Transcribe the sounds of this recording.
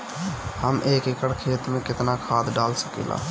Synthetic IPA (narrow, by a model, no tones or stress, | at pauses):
həmʔeːkekəɽkʰeːt̪mẽkɪt̪nakʰaːd̪ɖaːlsə̥kḭla̰